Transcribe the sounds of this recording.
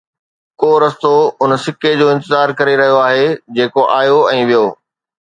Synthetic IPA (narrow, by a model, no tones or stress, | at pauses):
koːɾɐst̪oʊnsɪked͡ʑoːɪ̃nt̪ɪzaːɾkɐɾeɾɐɦijoaːɦed͡ʑeːkoʔaːjoɛ̃ːʋijoː